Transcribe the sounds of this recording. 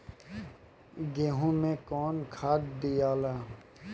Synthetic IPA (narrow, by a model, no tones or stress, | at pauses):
ɡeːɦũmẽkɔːnkʰaːt̪̚d̪ijaːlaː